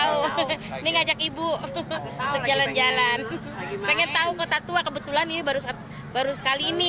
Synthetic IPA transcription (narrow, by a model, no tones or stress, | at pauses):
uniŋad͡ʒakibu | d̪əd͡ʒaland͡ʒalan | peŋɛnt̪aukot̪at̪uakəbət̪ulaninibaɾus | baɾusə̥kaliːni